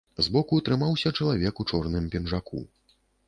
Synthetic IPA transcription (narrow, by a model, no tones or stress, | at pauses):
zbɔkut̪ɾɨmawsʲɐt͡ʂɐlˠavʲɛkut͡ʂɔrnɨmpʲɛnʐakṵ